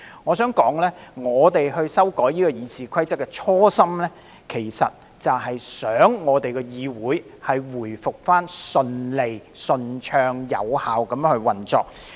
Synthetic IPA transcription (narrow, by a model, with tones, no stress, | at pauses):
ŋɔː˨˧sœː˨˥ŋkɔː˨˥ŋlɛː˥ŋɔː˨˧t̪e˨jhɵ˧ɥsɐ˥wkɔː˨˥jliː˥kɔː˧jiː˨˧t͡sʰiː˨kʰɐ˥jt͡sɐ˥kːɛ˧t͡ʃʰɔː˥sɐ˥mlɛː˥ | kʰe˨˩jsɐ̰˨t̚ | t͡sɐ˨wɦɐ˨jsœː˨˥ŋːɔː˨˧t̪e˨jkɛː˧jiː˨˧wuː˨˥j | hɐ˨jwuː˨˩jfʊ˨k̚faː˥nsɵ˧nle˨jsɵ˧nt͡ʃʰœː˧ŋjɐ̰˨˧whaː˨wkɐ˨˥mjŋhɵ˧ɥwɐ˨nt͡sɔː˨k̚